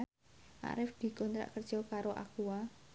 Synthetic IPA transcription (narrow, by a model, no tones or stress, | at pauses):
ʔa̰ɾɪfd̪̥i̤kɔnt̪ɾa̰ʔkərd̥ʒ̥ɔkaɾoʔa̰kuwa